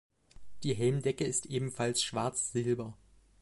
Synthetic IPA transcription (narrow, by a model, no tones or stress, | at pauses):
d̥iːɦɛlmdɛkəɪstʔeːbm̩falsʃv̥aɐt͡sz̥ɪlbɐ